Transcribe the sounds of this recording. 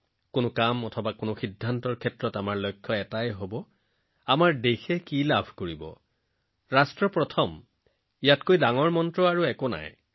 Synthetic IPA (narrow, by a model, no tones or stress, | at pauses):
konʊkamɔtʰɔbakonʊxidʱːantɔɹkʰɛtɹɔtamaɹlojkʰːjɔɛtajɦobɔ | amaɹdexɛkilabʱkoɹibɔ̰ | ɹastɹɔpɹɔtʰɔm | ijatkojdaŋɔɹmɔntɹɔaɹuɛkona̰j